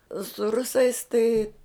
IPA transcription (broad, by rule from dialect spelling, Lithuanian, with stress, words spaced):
sʊ ˈrʊsɐɪs tɐɪ